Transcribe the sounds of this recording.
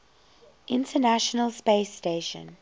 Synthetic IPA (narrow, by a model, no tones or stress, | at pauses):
ʔɪ̃ntʰənaʃənəlˠspeːsteʃə̰̃n